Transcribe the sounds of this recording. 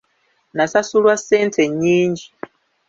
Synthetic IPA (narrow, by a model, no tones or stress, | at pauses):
nasasulwaseːntʰeɲiːɲd͡ʒi